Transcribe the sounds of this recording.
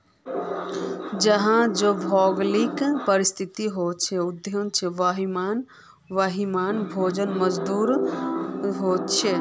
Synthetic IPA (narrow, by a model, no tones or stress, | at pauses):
d͡ʒəɦãd͡ʒobʱɔɡlikpəɾist̪ʰit̪iɦot͡ʃʰɛud̪jont͡ʃʰɛʋaɦiman | ʋaɦimaːnbʱod͡ʒənməd͡ʒd̪uːɾ | ɦot̪t͡ʃʰɛ